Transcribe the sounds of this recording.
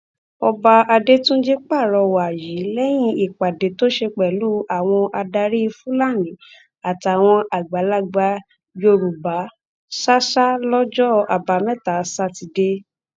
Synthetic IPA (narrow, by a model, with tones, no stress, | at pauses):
ɔ˧ba˧a˧de˦tũ˦d͡ʒe˦k͡pa˦˨ɾɔ˧wa˨ji˨˦lɛ˦j̃ĩ˧i˨k͡pa˨de˨˦to˦ʃe˧k͡pɛ˨lu˦a˨w̃ɔ̃˧ʔa˧da˧ɾi˦˧fũ˦la˦˨nĩ˨˦ | a˨ti˨a˨w̃ɔ̃˧ʔa˨ɡ͡ba˨˦la˦ɡ͡ba˧ | jo˧ɾu˨ba˨˦ | sa˦ʃa˦lɔ˦d͡ʒɔ˦a̰˨ba˨˧mɛ˦ta˨˦sa˦ti˧de˧